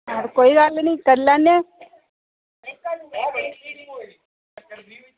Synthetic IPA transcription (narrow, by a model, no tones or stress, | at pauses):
ɾkoːiɡalnĩːkəɾlanːe